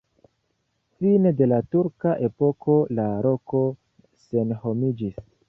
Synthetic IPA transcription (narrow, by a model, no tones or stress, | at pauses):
finede̞latuɾkaʔe̞po̞kʰo̞laɾo̞ko̞ | se̞nho̞mid͡ʒis